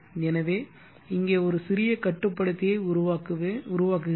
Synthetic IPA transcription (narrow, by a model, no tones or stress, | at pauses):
ɛnɐʋeː | ɪŋɡeːɔɾɯsɪɾɪjɐkɐʈːɯpːɐɽɯt̪ːɪjɐɪʊɾʊʋaːkɯʋeʊɾʊʋaːkɯ